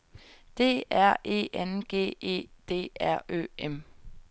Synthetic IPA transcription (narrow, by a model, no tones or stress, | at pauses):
d̥e̝̰ːæɐ̰ʔe̝̰ːʔenɡ̥e̝̰ːe̝̰ːd̥e̝̰ːæɐ̰ø̰ːem